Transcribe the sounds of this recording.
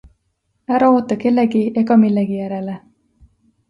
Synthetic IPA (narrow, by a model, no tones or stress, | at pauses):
æɾɑo̞ːt̪ːˑɑke̞lːe̞ɡie̞ɡɑmilːeɡ̥ijæɾe̞le